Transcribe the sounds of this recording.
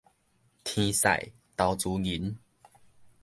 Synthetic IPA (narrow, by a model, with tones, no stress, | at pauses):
t̪ʰĩ˧sa̰˨j | t̪a˧wt͡su˨˦ɡi˨˦n